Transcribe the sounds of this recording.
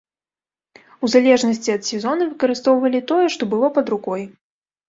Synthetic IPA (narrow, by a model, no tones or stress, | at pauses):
uzalʲɛʐnɐsʲt͡sʲiɐt̪sʲɛzɔnɨvɨkɐɾɨst̪ɔwvɐlʲit̪ɔjɛʂt̪ɔbɨlˠɔpɐd̪ɾukɔj